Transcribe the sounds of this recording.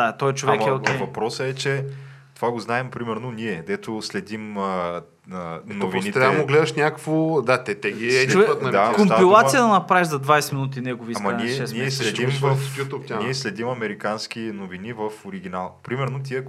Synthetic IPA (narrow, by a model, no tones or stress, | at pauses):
d̪at̪ɔɛt͡ʃovɛkmɛvɐpɾɔsəɛt͡ʃɛt̪ovaɡoznaɛmpɾimɛɾnoniɛd̪ɛt̪oslɛd̪im | ənovinit̪amoɡlɛd̪əʃnʲakə̥kvod̪at̪ɛt̪ɛɡiɛvɛət̪nɐd̪akomapilˠat̪sijəd̪ɐnɐpɾaɛʒzɐd̪vajsɛminut̪inɛɡoviːsmɐniɛʃɛsnɛslɛd̪imvfjut̪up̪ʲniɛslɛd̪imɐmɛɾikansk̟inovinivəfʊɾiɡʲinalˠpɾimɛɾnot̪iə